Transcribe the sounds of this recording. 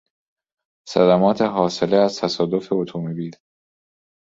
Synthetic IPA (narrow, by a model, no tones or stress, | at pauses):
sæ̰d̪æmɒːt̪ʰeɦɒːse̞leæzt̪ʰæsɒːd̪o̞fe̞ot̪ʰuːmebiːɾ